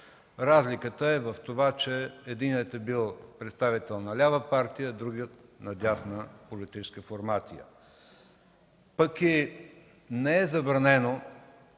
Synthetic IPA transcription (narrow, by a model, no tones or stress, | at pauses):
ɾazlʲikət̪əɛvəft̪ovat͡ʃɛːd̪iniət̪ɛbilˠpɾɛt̪st̪avit̪ɛlˠnɐlʲavəpaɾt̪ijəːd̪ɾuɡiət̪̚nɐd̪ʲasnəpolit̪it͡ʃɛ̥skəfoɾmat̪sijə̰ | pəki | nɛɛzɐbɾɐnɛno